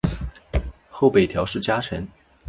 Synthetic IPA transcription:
xo˥˩ʊpe˨˩t̪ʰjɑ˧˥ʊʂɻ̩˥˩t͡ɕja˥ʈ͡ʂʰə˧˥n

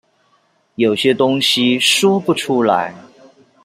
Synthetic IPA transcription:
jo˨˩ʊɕjɛ˥t̪ʊ˥ŋɕi˦ʂɔ˥pu˥˩ʈ͡ʂʰu˥la̰˧˥ɪ

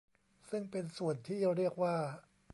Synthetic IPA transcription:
sɯ˥˩ŋpe˧nsu˨˩ənt̪ʰiː˥˩ɾi˥˩ək̚waː˥˩

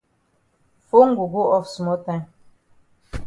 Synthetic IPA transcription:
fo˦ŋ̩˦˨ɡu˨ɡo˦ɔ˦fsmɔ˦ta˦˨n

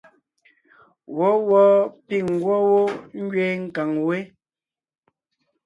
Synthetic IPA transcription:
wɔ˨˦wɔ˦pi˦˨ŋ̩˨ɡwɔ˦wo˦ŋ̩˦ɡɥe˦ŋ̩˦ka˨ŋwe˦

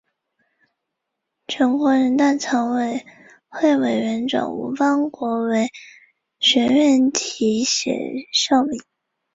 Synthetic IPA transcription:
t͡ɕʰɥɛ˧˥nkwɔ˧˥ɻə˧˥nt̪a˥˩t͡sʰɑ˧˥ŋwe˨˩ɪ | xwe˥˩ɪwe˨˩ɪɥɛ˧˥nʈ͡ʂwɑ̰˨˩ŋṵ˧˥fɑ˥ŋkwɔ˧˥we˧˥ɪ | ɕɥɛ˧˥nɥɛ˥˩nt̪ʰi˧˥ɕɛ̰˨˩ʂɑ˥˧ʊli˨˩˦

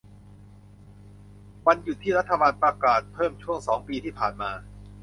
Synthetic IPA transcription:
wa˧nju˨˩t̪ʰːiː˥˩ɾa˦˥t̪ʰːa˧baː˧npɾa˧kaː˨˩t̪̚pʰɤː˥˩mt͡ɕʰu˥˩əŋsɔː˩˦ŋpiː˧t̪ʰiː˥˩pʰaː˨˩nmaː˧

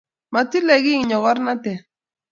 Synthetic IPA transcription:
ma˨ti˦lɛ˨ɣi˦ŋɲɔ˨ɣɔ˦ɾna˦tɛ˨

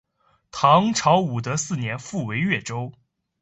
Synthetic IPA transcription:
t̪ʰɑ˧˥ŋʈ͡ʂʰɑ˧˥ʊu˨˩t̪ə˧˥sɹ̩˥˩njɛ˧˥nfu˥˩we˧˥ɪɥɛ˥˩ʈ͡ʂo˥ʊ

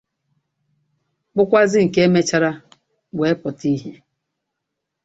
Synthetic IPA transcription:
k͡pʊ˦kʷa˦zɪ˦ŋ̩˨ke˦e˦me˦t͡ʃa˦ɾa˦ | we˨˦pʊ˨ti˦ɦe˦

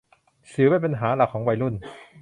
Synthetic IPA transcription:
sɯː˨˩˦wa˥˩jpa˧nɦaː˩˦la˨˩kʰːɔː˩˦ŋwa˧jlu˥˩n

